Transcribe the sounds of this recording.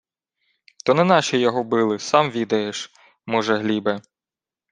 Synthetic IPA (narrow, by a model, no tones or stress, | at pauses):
t̪ɔnɛnɑʃijɔɦɔbɪlˠɪsɑmʋʲid̪ɐjeʃ | mɔʒɛɦlʲibɛ